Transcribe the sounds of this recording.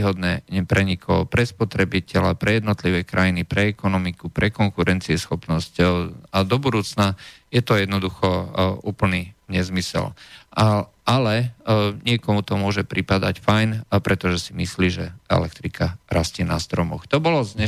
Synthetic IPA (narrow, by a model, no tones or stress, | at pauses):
ɦɔd̪nɛːɛpɾɛɲikʰɔpɾɛspɔt̪ɾɛbicɛlapɾɛjɛd̪nɔt̪liʋɛːkɾajinipɾɛɛkɔnɔmikupɾʔɛkɔŋkuɾɛnt͡siɛsxɔpnɔscad̪ɔbud̪uːt͡sna | jɛt̪ɔjɛd̪nɔd̪uxɔuːpl̩niɲɛzmisɛ̰l | alɛɲɪɛkɔmut̪ɔmʊɔʒɛpɾipad̪acfajnpɾɛt̪ɔʒɛsimisliːʒɛɛ̰lɛk̚t̪ɾikaɾasciːna̰st̪ɾɔmɔ̰xt̪ɔbɔlɔzɲɛ